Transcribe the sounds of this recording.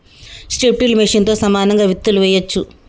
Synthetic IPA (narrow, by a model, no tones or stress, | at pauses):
sʈeʈːilmeʂint̪o̞ːsɐmaːnɐŋɡaːʋit̪ːuluʋɛːjɐt͡ʃːu